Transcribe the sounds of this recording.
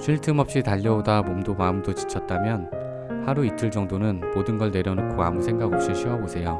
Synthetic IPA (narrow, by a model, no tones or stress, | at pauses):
ɕʰiɭtʰɯmʌp̚ɕ͈itaʎːʌodamomdomaɯmdot͡ɕi̥t͡ɕʰʌt̚t͈amjʌn | haɾuitʰɯɭt͡ɕʌŋdonɯnmodɯnɡʌɭne̞ɾjʌnokʰoa̰musʰe̞ŋɡaɡɦʌpɕ͈iɕʰiwʌbosʰe̞jo